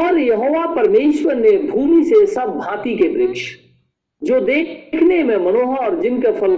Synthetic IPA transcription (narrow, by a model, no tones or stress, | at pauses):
ɔːɾjɐɦoːʋapəɾmeːʃwəɾnebʱuːmisesɐb̚ːʱãːt̪ikebɾɪkʃ | d͡ʒoːd̪eːkʰnemẽmɐnoːɦɔːɾd͡ʒɪnkepʰɐl